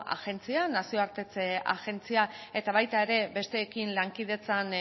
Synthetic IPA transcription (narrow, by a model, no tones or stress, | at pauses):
a̰ɣe̞nt͡sianasio̞aɾt̪e̞t͡sea̰ɣe̞nt͡siae̞t̪aβajt̪ae̞ɾe̞be̞st̪e̞ːkinlaŋkiðe̞t͡san